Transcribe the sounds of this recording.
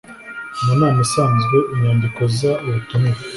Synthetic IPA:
munaːmisaːnzɡweʔiɲaːndikozaβatunu

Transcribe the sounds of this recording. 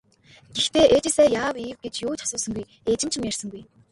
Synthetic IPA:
ɡ̥ext̪eːʔet͡ɕɪ̆sæːjaːwiːwɡet͡ɕjoːt͡ɕʰḁsʊːsə̆ŋɡuj | et͡ɕɪ̆mt͡ɕʰɪ̆mjar̥sə̆ŋɡuj

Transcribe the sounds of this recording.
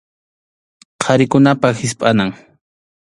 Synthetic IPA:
qʰɑɾɪkʊnapahɪspʼanaŋ

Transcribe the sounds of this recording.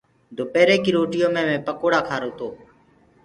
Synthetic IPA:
d̪ʱoːpeːɾeːkiːɾoːʈɪjõːmẽːmẽːpəkoːɽaːkʰaːɾoːt̪oː

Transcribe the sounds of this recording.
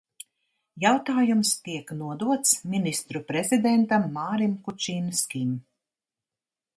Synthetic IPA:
jawt̪aːjumst̪iɛknuɔd̪uɔt̪sminist̪ɾupɾɛzʲid̪ɛnt̪amːaːɾimkut͡ʃiːnskʲim

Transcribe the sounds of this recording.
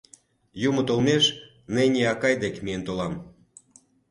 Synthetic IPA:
jumə̆t̪olmeʃ | nenʲeɑkɑjd̪ekmient̪olɑm

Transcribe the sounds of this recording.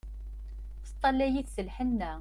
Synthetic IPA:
θət̪ˤːɑlæjiθsəlħənːæ

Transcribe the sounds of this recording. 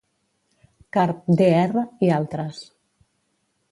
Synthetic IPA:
kaɾp̚d̪eɛrəialˠt̪ɾəs

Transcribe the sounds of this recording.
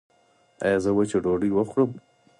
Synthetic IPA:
ajɑzəwat͡ʃeɖoɖiwəxɽəm

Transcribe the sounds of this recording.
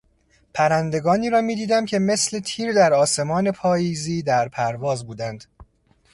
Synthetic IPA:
pʰæɾænd̪e̞ɡɒːniːɾɒːmiːd̪iːd̪æmcʰe̞me̞sle̞t̪ʰiːɾd̪æɾɒːse̞mɒːne̞pʰɒːjiːziːd̪æɾpʰæɾvɒːzbuːd̪ænd̪̥

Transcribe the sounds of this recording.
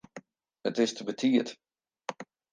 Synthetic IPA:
ətɪstəbətʰiət

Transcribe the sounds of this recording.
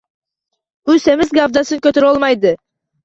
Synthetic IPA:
use̞mɪzɡavd̪asɯŋkøt̪øɾolˠmɑjd̪ɯ

